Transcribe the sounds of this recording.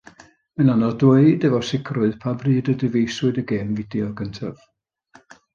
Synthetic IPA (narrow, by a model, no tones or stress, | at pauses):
mənanɔdwəɨdəvɔsɪkʰrʊɨð̥pʰabriːdədɪvejsʊɨdəɡeːnvɪdjɔɡəntʰav̥